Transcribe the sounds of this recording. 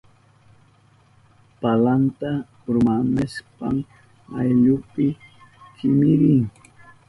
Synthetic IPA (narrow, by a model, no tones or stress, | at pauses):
palant̪a | ɾʊmanaspa̰m | ajʎʊpɪ | kɪmɪɾɪŋ